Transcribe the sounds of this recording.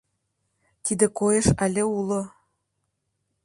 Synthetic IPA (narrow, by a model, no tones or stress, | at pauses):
t̪id̪ĕkojɤ̆ʃalʲĕulo